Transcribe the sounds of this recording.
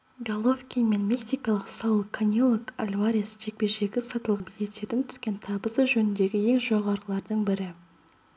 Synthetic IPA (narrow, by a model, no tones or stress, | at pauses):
ɡalˠofkʲime̞nmʲeksijkɑlˠəqsɑwlˠəkʰːanʲilˠoka̰lʲvaɾʲisʒ̥e̞k̚pe̞ʒe̞ɡʲɪsɑt̪əlˠʁɑbilet̪et̪ɪnt̪ʰʏ̥skʲe̞nt̪ʰɑbəsəʒɵnɪnd̪e̞ɡʲɪe̞ŋʒo̞ʁɑɾəlˠɑɾd̪əɴbɪɾɪ